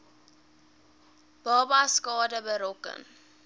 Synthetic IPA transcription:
b̥ɑːbaskɑːdəbəɾɔkə̰n

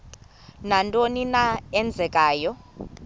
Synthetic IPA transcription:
nantʼoninaɛnd͡zʱɛkʼaːjɔ

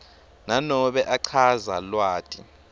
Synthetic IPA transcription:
nanɔɓɛʔaǀʰazalwaːtʼḭ

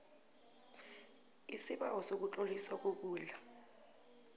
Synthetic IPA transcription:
isiɓawɔsok̬ut͡ɬʼolisak̬ok̬uːɮa

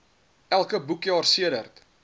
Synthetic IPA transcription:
ʔælˠkəbukjɑːrsiədərt

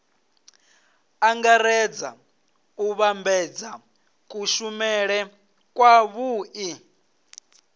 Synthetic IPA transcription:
aŋɡaɾɛd͡za | uβambɛd͡za | kʼuʃumɛɺɛ | kʼwaβuːʔi

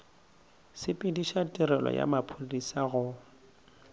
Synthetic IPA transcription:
sɪpʼɪdiʃatʼiɾɛlɔ̰ja̰mapʰolisaɣʊ

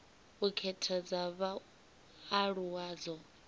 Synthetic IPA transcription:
ukʰɛtʰad͡zaβa | aɺuwaːd͡zɔ

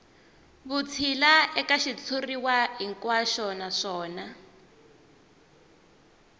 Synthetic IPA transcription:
βut͡sʰilaɛkaʃit͡sʰuriwaɦiŋkwaʃɔnaʂɔːna

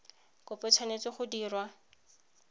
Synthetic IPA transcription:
kʊpɛt͡sʰwanet͡sɪχʊdiːrwa

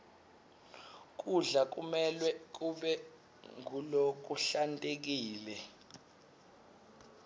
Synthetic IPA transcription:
k̬ʼuɮak̬ʼumɛlwɛk̬ʼuɓɛ | ŋulok̬uɬantʼek̬iːlɛ

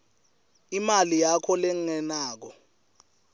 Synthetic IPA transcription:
imalijakʰɔleŋɛnaːk̬ɔ

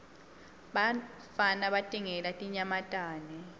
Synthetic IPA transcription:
ɓa | fanaɓatʼiŋɛlatʼiɲamatʼaːnɛ

